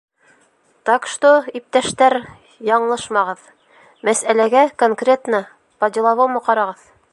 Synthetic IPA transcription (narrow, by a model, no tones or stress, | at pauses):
t̪ɑqʃt̪oip̚t̪æʃt̪æɾ | jɑɴlˠɤʃmɑʁɤð | mæsælæɡækoŋkrʲet̪nɤ | pɑd̪ʲilˠɑβɑwmɤqɑɾɑʁɤð